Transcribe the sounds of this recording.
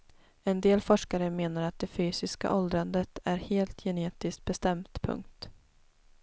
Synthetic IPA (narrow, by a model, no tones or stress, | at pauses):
ɛnd̪eːlfɔʂkaɾəmeːnaɾat̪̚d̪ɛfyːsɪska̰ʔɔld̪ɾand̪ət̪æɾheːlt̪ʰjɛneːt̪ɪskt̪̚bɛst̪ɛmt̪pʰɵ̰ŋk̚t̪